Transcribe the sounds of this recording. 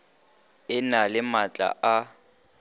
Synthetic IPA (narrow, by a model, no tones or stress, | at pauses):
ɪnalɪmat͡ɬʼa̰ʔa